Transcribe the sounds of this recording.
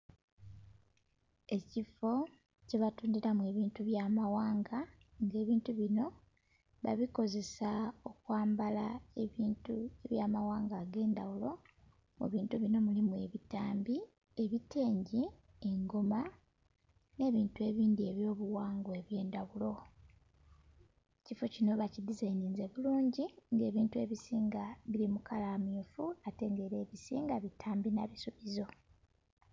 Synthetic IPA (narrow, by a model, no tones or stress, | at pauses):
e̞cifo̞ | ce̞βatuːndiɾamwe̞ːβiːntuβjaːmawaːŋɡa | ŋɡe̞ːβiːntuβino̞ | βa̰βiko̞ze̞sao̞kwaːmbalaeβiːntue̞βjaːmawaːŋɡaːɡe̞ːndawulo̞ | mṵβiːntuβino̞mulimue̞βitaːmbi | e̞βite̞ːɲɟi | e̞ŋɡo̞ma | ne̞ːβiːntue̞βiːndie̞βjo̞ːβuwaːŋɡoe̞βje̞ːndawulo̞ | cifo̞cino̞βacidizajninze̞βuluːɲɟiŋɡe̞ːβiːntue̞βisiːŋɡaβiɾimukalaːmiːfuate̞ŋɡe̞ɾe̞ːβisḭːŋɡaβitʰaːmbina̰βisuβizo̞